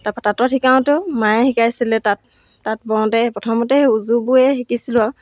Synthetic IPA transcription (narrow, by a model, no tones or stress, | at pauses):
tapatatɔtʰikaw̃tʊmajɛhikajsilɛtatː | at̚bɔw̃tɛpɹɔtʰɔmɔtɛuzubuɛxikisilʊa